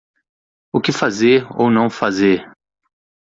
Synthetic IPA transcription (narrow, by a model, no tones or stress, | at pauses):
ʊkɪfazeɾo̰wnɐ̃w̃fazeɾ